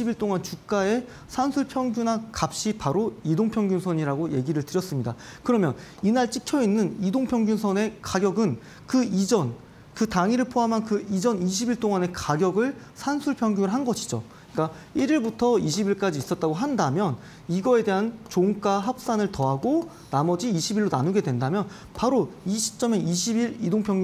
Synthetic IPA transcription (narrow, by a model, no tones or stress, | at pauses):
ibiɭt͈oŋant͡ɕuk̚k͈ae̞ | sʰansʰuɭpʰjʌŋɡunakap̚ɕ͈ipaɾoidoŋpʰjʌŋɡjunsʰʌɲiɾaɡoje̞ɡiɾɯɭtɯɾjʌs͈ɯmɲidakɯɾʌmjʌ̰ninaɭt͡ɕ͈ʰikʰjʌinːɯnidoŋpʰjʌŋɡunsʰʌne̞kaɡjʌɡɯn | kɯid͡ʑʌn | kɯtaŋiɾɯɭpʰoɦamɦankɯid͡ʑʌniɕʰibiɭt͈oŋane̞kaɡjʌɡɯɭ | sʰansʰuɭpʰjʌŋɡjuŋɯɭɦanɡʌɕʰi̥d͡ʑo̰ | ik͈a | iɾiɭbutʰʌiɕʰibiɭk͈ad͡ʑiːs͈ʌt̚t͈aɡoɦandamjʌn | iɡʌe̞de̞ɦant͡ɕoŋk͈aɦap̚s͈anɯɭtʌɦaɡo | namʌd͡ʑiiɕʰibiɭːonanuɡe̞dwendamjʌn | paɾoiɕʰi̥p̚t͡ɕ͈ʌme̞iɕʰibiɾidoŋpʰjʌŋɡ